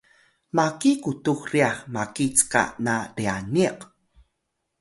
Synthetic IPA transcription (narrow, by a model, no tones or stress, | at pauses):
makikutuxriaχmakit͡ska̰naɾianiq